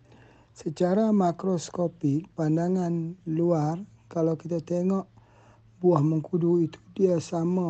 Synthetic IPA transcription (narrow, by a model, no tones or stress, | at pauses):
sət͡ʃaɾamakɾoskopik̚pandaŋanluar | kalawkit̪at̪eŋɔʔ | buahməŋkuduit̪u̥diasama